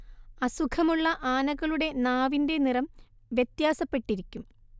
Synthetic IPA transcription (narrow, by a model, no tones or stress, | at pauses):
ɐsukʰɐmuɭːɐʔaːnɐɣɐɭuɽe̞naːʋinde̞nirɐm | ʋjet̪jaːsɐpːe̞ʈːiɾikʲːum